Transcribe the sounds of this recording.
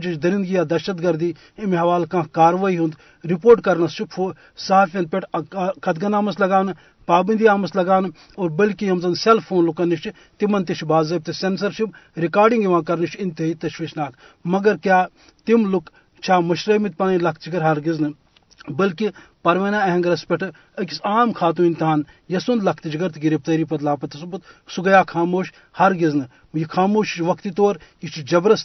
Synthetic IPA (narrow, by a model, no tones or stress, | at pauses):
d͡ʒit͡ʃʰd̪ɐɾind̪ɡijaːd̪ɐɾʃɐt̪ɡɐɾd̪iː | imɦɐʋaːlkãːkaːɾʋaːiɦũnd̪ | ɾipoːɾʈkɐɾnɐst͡ʃʰipfʰo | sɐɦaːfʲɐnd̪̚pʲeʈkʰɐt̪̚ɡɐnaːmɐslɐɡaːnɨ | paːbɐnd̪iaːmɐslɐɡaːnɨ | oːɾbɐlkijɐmzɐnd̪selpʰoːnlukɐnit͡ʃʰ | t̪imɐnt̪iʃbaːzɐb̚t̪esensɐɾʃip̚ɾikaːɾɖiŋɡjiʋãːkɐɾnit͡ʃʰɪnt̪eit̪ɐʃʋiːʃnaːk̪ | mɐɡɐɾkjaː | t̪imluk | t͡ʃʰaːmɐʃɾɐmit̪̚pɐnɐlɐk̚ʰt̪d͡ʒiɡɐɾɦɐɾɡiznɨ | bɐlkipɐɾʋeːnaːɐɦɐ̃ŋɡɐɾɐspeʈʰɨ | ɐkʲisaːmkʰaːt̪̬ũːint̪iɦaːn | jɐsund̪lɐkʰt̪d͡ʒiɡɐɾt̪iɡiɾip̚t̪ɐɾiːpɐd̪laːpɐt̪ɐsubut̪suɡɐjaːkʰaːmoːʃ | hɐɾɡiznɨ | jikʰaːmoːʃt͡ʃʋɐkt̪it̪oːɾjit͡ʃʰid͡ʒɐbɾɐs